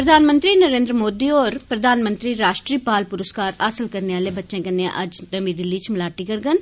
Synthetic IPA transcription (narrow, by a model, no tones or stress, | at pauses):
pɾəd̪ʱaːnmə̃nt̪ɾiːnəɾẽːnd̪ɾəmoːd̪iːɔːɾpɾəd̪ʱaːnmə̃nt̪ɾiːɾaːʃʈɾiːpaːlpʊɾəskaːɾaːsəlkəɾneːaːleːbətːʃẽːkənːeã̰ʔɐd͡ʒt̪əmiːd̪ɪlːiːt͡ʃʰmɪlaːʈiːkəɾɡən